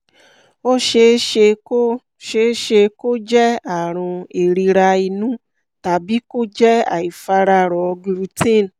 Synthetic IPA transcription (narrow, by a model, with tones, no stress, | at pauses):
o˦ʃe˧˦ʃe˧ko˦ | ʃe˧˦ʃe˧ko˦d͡ʒɛ˦a˨ɾ̃ʊ̃˧e˨ɾi˧ɾa˧i˧nũ˦ | ta˨bi˨˦ko˦d͡ʒɛ˦a̰˨i˨fa˧ɾa˧ɾɔ˨˧ɡɾu˧tĩ˦˨n˨